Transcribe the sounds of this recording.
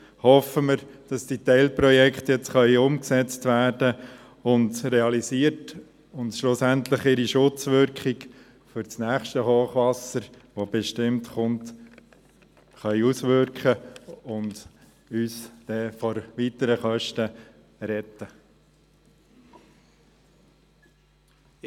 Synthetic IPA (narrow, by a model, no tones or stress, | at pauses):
hɔfəmɪɾd̥ɑsd̥itɛɪlpɾɔjɛkχtjɛt͡sχœʏʊmksɛt͡stʋæːɾd̥ə | ʊndɾeɑlisiərt | ʊntʃlʊsæntləχɪɾiʃʊt͡sʋʏɾkχik | fʏɾt͡snæːχʃtəhoːχʋɑsəɾ | ʋob̥ɛʃtɪmtχʊnt | χœʏusʋʏɾkχəʊnd | yːsd̥ɛfɔɾʋitəɾəχœʃtə | ɾɛt̪ːə